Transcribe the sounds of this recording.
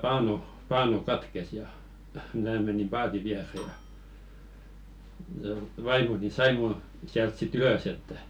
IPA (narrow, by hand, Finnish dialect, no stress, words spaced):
pɑːnu pɑːnu kɑtkes jɑ mæː menim pɑːti ʋiære jɑ j̆ɑ̆ ʋɑimoni sɑi mu siælt sit yløs etːæ